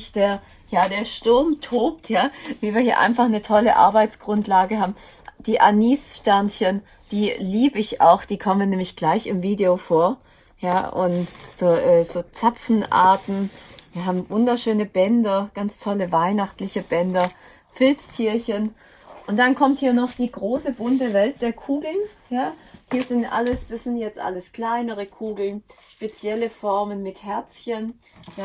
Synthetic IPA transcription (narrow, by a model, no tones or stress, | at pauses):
çd̥eːɐ | jaːdeːɐʃtʊɐmtʰoːp̚tʰjaːviːviːɐhiːɐʔa̰ɪnfaχnətʰɔlə̰ʔa̰ɐbaɪt͡sɡ̥ʁ̥ʊntlaːɡəɦaːbm̩ | d̥iːʔa̰niːsʃtɛɐnçən | d̥iːliːbəɪça̰ʊxd̥iːkʰɔmənːɛːmlɪçɡ̥laɪçɪmviːdeofoːɐ | jaːʔʊ̰ntz̥oːʔɛːz̥oːt͡sapfn̩ʔa̰ɐtn̩viːɐɦaːbm̩vʊndɐʃøːnəbɛndɐɡ̥ant͡stʰɔləvaɪnaχtlɪçəbɛndɐ | fɪlt͡stʰiːɐçən | ʔʊntd̥ankʰɔmthiːɐnɔχd̥iːɡʁoːsəbʊntəvɛlt̚d̥eːɐkʰuːɡl̩njaːhiːɐzɪntʔa̰ləsd̥asz̥ɪntjɛt͡stʔa̰ləskl̥aɪnəʁəkʰuːɡl̩nʃpet͡sjɛləfɔɐmənmɪthɛɐt͡sçən | ja